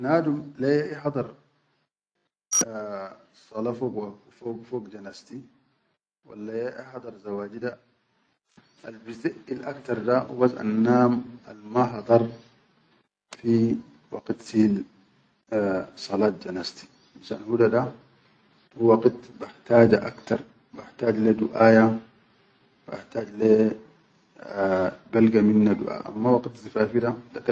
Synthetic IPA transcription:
naːd̪umlajaʔiħɑd̪ˤɑɾˤ | sˤɑlafokwafoːɡfoːɡd͡ʒanast̪i | wa̰lːajeʔiħɑd̪ˤɑɾˤzawaːɟid̪a | albiziʔilʔakt̪ɑɾˤd̪awḭbasa̰nːaːmalmaɦɑd̪ˤɑɾˤ | fi | wɑ̰qt̪il | sˤɑlɑːt̪̚d͡ʒanazt̪i̥ | maʃa̰nhud̪ad̪a | huwɑɡt̪baħt̪aːd͡ʒaʔakt̪ɑɾˤ | baħt̪aːd͡ʒleːd̪uʔaːja | ba̰ħt̪aːd͡ʒle | balɡaminːad̪ṵʔa̰ːʔa̰mːawɑɡt̪zifaːfid̪ad̪ak

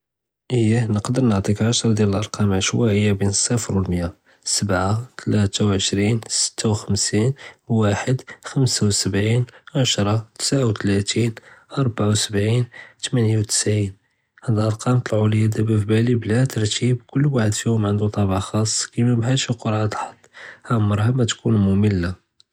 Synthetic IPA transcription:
ʔəjːænəqd̪əɾˤnəʕt̪ˤikʕaʃɾˤd̪jæləlʔɑɾˤqɑmʕəʃwæʔəjːabinəsˤːəfɾwəlmja | səbʕat̪ʰlæt̪awʕəʃɾinsə̥t̪ʰːawxəmsinwaħəd̪xəmsawsəbʕinʕaʃɾˤɑt̪ə̥sʕawt̪læt̪inʔɑɾˤbʕawsəbʕint̪mænjawt̪ə̥sʕin | ħæd̪ʔɑɾqɑmt̪əlʕʊljæd̪æbæfbæliblæt̪əɾˤt̪ʰibkʊlːwaħəd̪fihʊmʕənd̪ut̪ˤɑbaʕxɑsˤːkimæbɦæʃiqoɾʕat̪lħɑt̪ˤːhæmːɑɾˤhamæt̪kunmʊməlːa

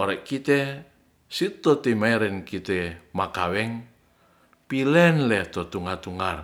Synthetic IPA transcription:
oɾɛʔkit̪ɛ | sit̪ɔt̪imaiɾɛnkit̪ɛmakawɛŋ | pilɛnlɛht̪ɔt̪uŋart̪uŋar

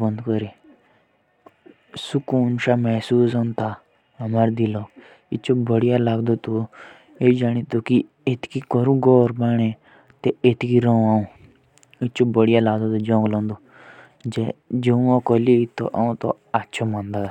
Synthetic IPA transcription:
bə̃nd̪kəɾi | sʊkuːnʃaːmɛːsuːsõnt̪aː | ɐmaɾd̪iloː | ɪt͡ʃʰoːbəɽijalaːɡd̪oːt̪o | ed͡ʒaːñit̪oki | et̪kikɔɾũːɡɔːɾbaːɽ̃ẽː | t̪eet̪kiɾoũaːũː | ɪt͡ʃobəɽijalaːɡd̪ot̪od͡ʒɔ̃ːŋɡlɔ̃ːnd̪oː | d͡ʒed͡ʒeũãkoliit̪o̰ʔaũt̪o̰ | atːt͡ʃʰomãːnd̪aː

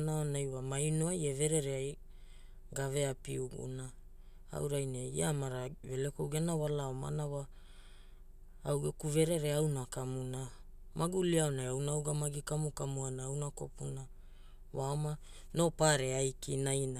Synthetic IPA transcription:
naonajwamajnoaje̞ve̞ɾe̞ɾeaj | ɡave̞apiuɡṵna | a̰wɾajneḭamaɾavelekowɡenawalaoma̰nawa | wɡekuve̞ɾe̞ɾe̞awnakamuna | mʔaɡuliaonajawnawɡamaɡikamukamuanaawnako̞puna | waoma | no̞paɾeajkinajna

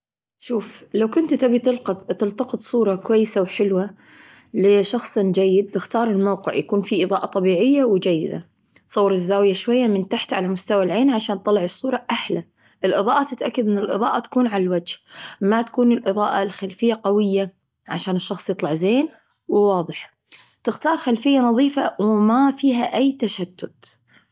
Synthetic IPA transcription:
ʃuːflawkʊnt̪t̪abit̪ɪlq̪t̪ɪlt̪ɑqɨt̪ˤsˤuːɾˤɑkwajːɪsawħɪlwa | lɪʃɑxsˤd͡ʒajːɪd̪̚t̪ɪxt̪ɑːɾˤɪlmawqɪ̰ʕjakuːnfiʔɨðˤɑːʔɑt̪ˤɑbiːʕɪjːawd͡ʒajːɪ̰d̪a̰ | sˤɑwːɑɾɪzːaːwɪjaʃwajːamɪnt̪aħt̪ʕalamʊst̪awalʕeːnʕaʃaːnt̪ˤːɑlɑʕɨsˤːuːɾˤɑʔaħla | ʔɪlʔɨðˤɑːʔat̪ːɪt̪ʔakːad̪ʔɪnːɪlʔɨ̰ðˤɑːʔat̪ḁkuːnʕalalwad͡ʒhmat̪ḁkuːnɪlʔɨðˤɑːʔa̰lxalfɪjːaqawɪjːa | ʕaʃaːnɪʃːɑxsˤjɨt̪ˤlɑʕzeːn | wwɑːðˤɨħ | t̪ɪxt̪ɑːɾˤxalfɪjːanɑðˤiːfawmafiːɦaʔajːt̪aʃad̪̥ːʊd̪

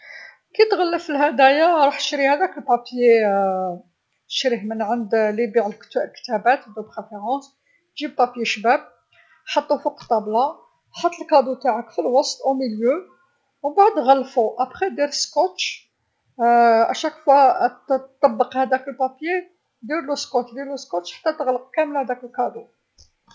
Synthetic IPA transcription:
kit̪ɣəlːəfəlhæd̪æjaɾˤɑħt̪ʃɾihæd̪ækəlpɑpje | ə̥ʃɾihmənʕənd̪libiʕəlkt̪lkt̪æbæt̪d̪opʁefeʁɑ̃s | ʒib̚pɑpjeʃbæb̚ | ħɑt̪ˤːufuqt̪ˤːɑblɑ | ħɑt̪ˤːəlkɑd̪ut̪aʕəkfilwɑst̪ˤʔæwmiljø | wbaʕd̪ɣælːfuʔæpχid̪iɾəskot̪ʃ | ʔæ̰ʃækfæ | t̪ˤːɑbːəqhæd̪ækəlpæpje | d̪iɾluskoʃd̪iɾluskoʃħḁt̪ːæt̪əɣləq̚kæməlhæd̪ækəlkɑd̪u

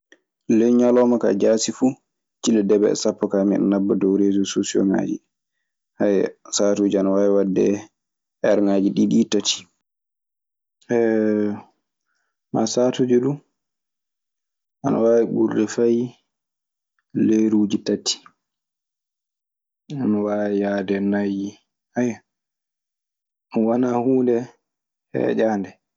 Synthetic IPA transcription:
lɛjɲalɔmaka̰d͡ʒaːsifu | t͡ʃilɛdɛbɛ̰ɛ̰sapːɔkamḭn̰nabːɔdɔwɾeːzɔsosiɔ̰ŋa̰d͡ʒḭ | hajsatuːd͡ʒianawaːwiwadːɛ̰ | ʔɛɾŋaːd͡ʒiɗiːɗitatʰi̥ | ʔɛ | masaːtud͡ʒuɗum | ʔanawaːwiɓuɾɗɛfaj | leɾuːd͡ʒitatʰːi̥ | anawajaːdɛnaji | haja | wanahuːndɛ | hɛ̰d͡ʒaːndɛ

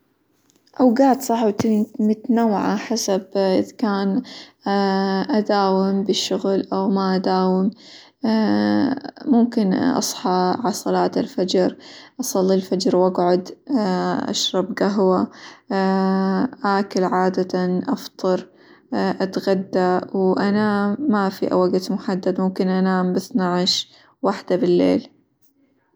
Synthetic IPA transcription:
ʔawɡaʕd̪sˤɑħwt̪mʊt̪nawːʕaħasabʔɪðkaːn | ʔad̪aːwɪmbɪʃːʊɣlʔawmaʔad̪aːwɪm | mʊmkɪnʔɑ̰sˤħɑʕɑsˤɑlɑːt̪ɪlfad͡ʒɾʔɑsˤɑlːilfad͡ʒɾwʔaɡʕʊd̪ | ʔa̰ʃɾˤɑbɡaɦwa | ʔaːkʊlʕaːd̪at̪anʔɑft̪ˤɑɾˤ | ʔat̪ɣad̪ːawʔanamːafḭʔa̰waɡt̪mʊħad̪ːad̪mʊmkɪnʔanaːmbɪθnaʕʃ | waħd̪abɪlːḛːl

